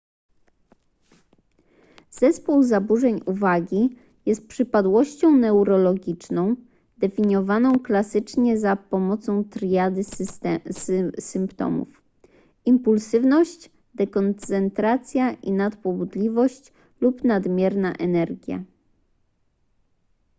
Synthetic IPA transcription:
z̥ɛspuwzabuʐɛɲuvaɡʲi | jɛst̪̚pʂɘpad̪wɔɕt͡ɕɔ̃w̃nɛwɾɔlɔɡʲit͡ʂnɔ̃w̃ | d̪̥ɛfʲiɲjɔvanɔ̃w̃klasɘt͡ʂɲɛzapɔmɔt̪sɔ̃w̃t̪ɾjad̪ɘ | ssɘmpt̪ɔ̰mṵf | impulsɘvnɔɕt͡ɕ | d̪ɛkɔnt̪sɛnt̪ɾat̪sʲjaʔinat̪pɔbud̪lʲivɔɕt͡ɕ | lupnad̪mʲjɛɾnaʔɛnɛɾɡʲja̰

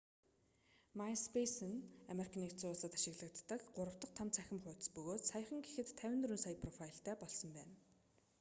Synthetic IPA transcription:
majspʰesɘ̆namerikʰaniːkt͡sʊːɮsə̆t̪ḁʃɪ̆ɣɮə̆kt̪ːə̆kɢʊɾə̆wt̪ə̆q̚t̪ʰamt͡sʰæxʲɪ̆mχʊːt̪̆spɵɣoːt̪sajə̆χə̆ŋɡexɘ̆t̪ʰːæwʲɪ̆nt̪ɵɾuːnsajə̆pʰrɔfajɬt̪ʰæːpɔɮsɞ̆mpæːn

